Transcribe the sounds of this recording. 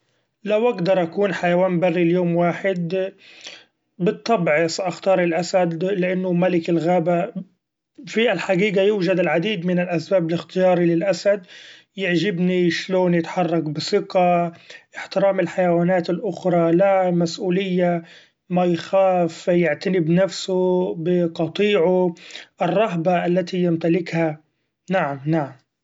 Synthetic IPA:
lawʔaɡd̪ɑɾˤʔakuːnħajawaːnbarːiljoːmwaːħɪd̪ | bɪt̪ˤːɑbʕɪsʔaxt̪ɑːɾˤɪlʔasad̪lɪʔanːʊmalɪkɪlɣaːba | fiʔalħaɡiːɡajuːʒad̪ɪlʕad̪iːd̪mɪnɪlʔasbaːbɪlɪxt̪ɪjɑːɾˤilɪlʔasad̪ | jɪʕʒɪbniʃloːnjɪt̪ħɑrˤːɑkbɪsɪqaʔɪħt̪ɪɾaːmɪlħajawaːnaːt̪ɪlʔʊxɾˤɑlamasʔuːlɪjːa | majxaːfjɪʕt̪anɪbnafsʊbɪqɑt̪ˤiːʕʊʔrˤːɑɦbaʔalːat̪ijɪmt̪alɪkha | naʕamnaʕam

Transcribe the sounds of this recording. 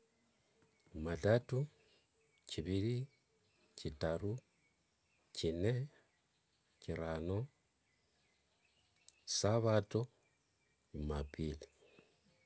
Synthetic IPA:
matatu | ciβiɾi | citaɾu | cine | ciɾano | saβato | mapili

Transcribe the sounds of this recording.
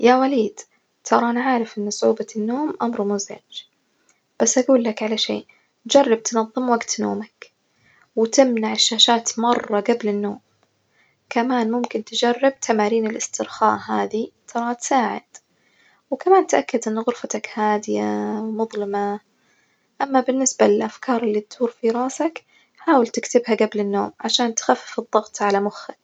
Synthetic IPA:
jawaliːd̪̥ | t̪ʰɑɾˤɑʔanaʕaːɾɪfʔɪnːsˤʕuːbanːoːmʔamɾmʊzʕɪ̰d͡ʒ | b̥asːʔaɡuːlːakʕalaʃḛːʔ | d͡ʒɑrˤːɑb̚t̪nɑðˤːɨmwaɡt̪no̰ːmak | wɪt̪ɪmnaʕɪʃːaːʃaːt̪mɑrˤːɑɡablɪnːoːm | kamaːnmʊmkɪnt̪d͡ʒɑrːɪb̚t̪ʰamaːɾiːnɪlʔɪst̪ɪɾxaːʔɦaːðit̪ʰɑɾˤɑt̪saːʕɪ̰d̪̥ | wkamaːnt̪ʔakːad̪ʔɪnːɣʊɾfat̪akhaːd̪ɪjawmʊðˤlɪma | ʔamːabɪnːɪsbalɪlʔafkʰɑːɾˤɪlːit̪d̪uːɾfiɾˤɑːsak | ħaːwɪlt̪ɪkt̪ɪbhaɡablɪnːo̰ːmʕaʃaːnt̪xafːɪfɨðˤːɑɣt̪ˤʕalamʊxːɪ

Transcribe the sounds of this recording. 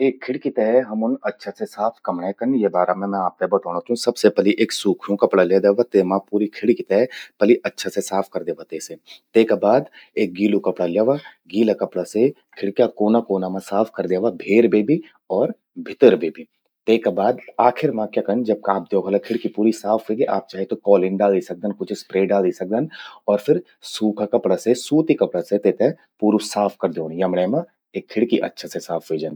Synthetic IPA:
eːkʰːɪɽkit̪ɛːɛɦɐmʊnɐtːʃʰasesaːpʰkɐmɽãkɐnjebaːɾamɛ̃mɛ̃aːp̚t̪ebɐt̪aːɽnat͡ʃɐɦũsɐbsepəliʔeːksuːkʰjũkɐpɽaleːd̪eːʋat̪eːmãpuːɾikʰɪɽikit̪ɛːpəliʔɐtːʃʰasesaːpʰkɐɾd̪eːʋat̪eːset̪eːkabaːd̪eːk̚ɡiːlukɐpɽaljeːʋaɡiːlakɐpɽase | kʰɪɽkjakoːnakoːnamãsaːpʰkɐɾd̪eːʋabʱeːɾbeːbʱi | ɔːɾ | bʱɪt̪əɾbeːbʱi | t̪eːkabaːd̪aːkʰɪɾmãkjakɐnd͡ʒɐb̚kãːp̚d̪joːkʰɐlakʰɪɽkipuːɾisaːfʰʋeːɡeʔaːp̚t͡ʃaːɦet̪okɔːlɪnɖaːld̪isɐk̚d̪ənkʊt͡ʃʰspɾeːɖaːld̪isɐk̚d̪anɔːɾfʰɪɾ | suːkʰakɐpɽasesuːt̪ikɐpɽaset̪eːt̪e | puːɾusaːpʰkɐɾd̪eõːnjɐmɽɛmã | eːkʰːɪɽkiʔɐ̰tːʃʰasesaːpʰʋeːd͡ʒan

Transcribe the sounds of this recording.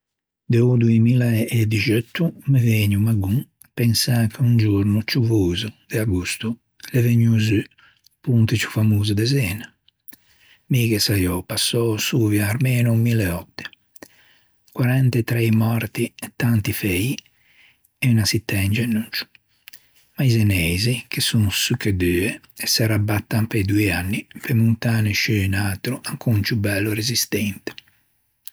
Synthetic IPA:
d̪ɛud̪uemiːlaed̪it͡ʃøt̪ːumeveːɲumaɡu | pɛnsakʰeund͡ʒuɾnut͡ʃuvuːzud̪̥eaɡust̪u | leveɲːuzy | punt̪it͡ʃu̥famuːzud̪ɛzɛːna | mikɛsajɔpasːɔsuːvjaːɾmɛːnumilɛɔt̪ːɛ̥ | kwaɾant̪ɛt̪ɾɛjmɔɾt̪iɛt̪ːant̪ifɛi | ɛunasit̪ːɛnd͡ʒɛnunt͡ʃu̥ | maizɛnɛjzikesunsykːed̪yːɛ | ɛsɛɾabat̪ːampejd̪uianːipemunt̪aːneʃyːnaːt̪ɾuʔaŋkʰunt͡ʃubːɛlːuɾezist̪ɛnt̪ɛ̥

